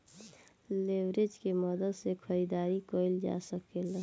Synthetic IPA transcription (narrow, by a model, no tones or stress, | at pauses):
leʋɾed͡ʒkeməd̪əd̪sekʰəɾid̪aːɾikoɪld͡ʒa̰səkelə